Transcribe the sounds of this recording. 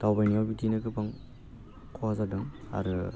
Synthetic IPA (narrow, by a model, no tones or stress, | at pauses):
tawbajniabitinɯkɯpaŋ | kʰɔazadɯŋa̰ɾɯ